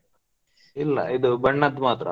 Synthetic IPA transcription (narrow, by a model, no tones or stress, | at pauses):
ilːɐ̰id̪ubɐɳːɐd̪maːt̪ɾɐ̰